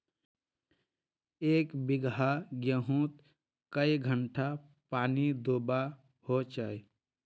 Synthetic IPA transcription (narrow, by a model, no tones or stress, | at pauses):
eːkbiɡɦaɡjəɦũt̪ | kəjɡʱəɳʈʰa | paːnid̪oba | hot͡ʃaj